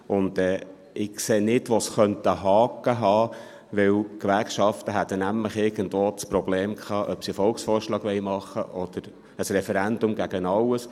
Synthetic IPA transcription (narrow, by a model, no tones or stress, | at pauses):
ʔʊnd̥̪ɛː | ɪkseːnɪdʋosχœnt̪əɦɑːkːəɦɑː | ʋɪwkʋæɾkʃɑft̪əɦæt̪ənæmləχɪɾɡ̥ən̩d̪ʋoːt͡spɾɔb̥leːmkʰχɑːʔœpsifɔlksfɔːɾʃlɑːɡ̥ʋɛjmɑχːə̰ʔɔd̪̥əɾ | əsɾɛfɛɾænd̪ʊmɡæɡ̥ənɑləs